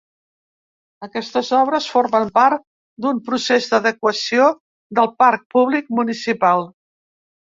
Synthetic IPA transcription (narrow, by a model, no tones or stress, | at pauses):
əkɛst̪əzɔβ̞ɾəsforməmpaɾt̪ | d̪umpɾusezd̪əðəkwəsio | d̪əlˠpaɾk̚puβlik̚munisipalˠ